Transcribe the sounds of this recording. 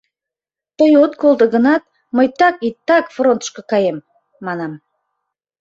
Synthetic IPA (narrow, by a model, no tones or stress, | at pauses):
t̪əjot̪kolˠd̪əɣənɑt̪̚ | məjt̪ɑkit̪ːɑkfront̪ə̥ʃkokɑjemː | ɑnɑm